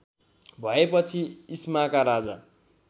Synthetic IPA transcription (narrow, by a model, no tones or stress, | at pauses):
bʱʌepʌt͡sʰiismakaɾad͡za